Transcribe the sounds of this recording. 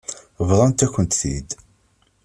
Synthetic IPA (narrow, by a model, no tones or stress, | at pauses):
vðˤɑnt̪æçənt̪θḭd̪